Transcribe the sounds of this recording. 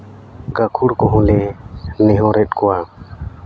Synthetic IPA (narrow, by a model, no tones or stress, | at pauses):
ɡakʰuɾkɔɦɔ̃lɛnɛɦɔ̃ɾɛt̪̚kɔwa